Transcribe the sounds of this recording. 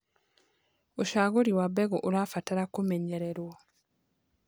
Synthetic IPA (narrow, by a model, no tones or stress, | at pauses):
oʃaɣuɾiwabeɡoʔulwaːfataɾakumeɲeɾeɾwo